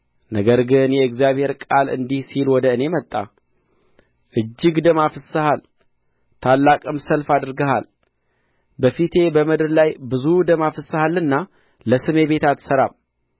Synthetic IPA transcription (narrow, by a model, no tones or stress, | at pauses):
nəɡəɾɡɨnjɛɨɡzjaβhe̞ɾkʼalɨ̰nd̪ihsilwɔd̪əɨne̞mət̪ʼːa | ʔɨd͡ʒːɪɡd̪əmafɨsɨhal | t̪ʰalːakʼɨmsəlfad̪ɨɾɡəha̰l | bəfit̪ʰe̞bəmɨd̪ɨɾlajbɨzud̪əmafɨsːɨhalːɨnːa | ləsɨme̞be̞t̪ʰat̪səɾam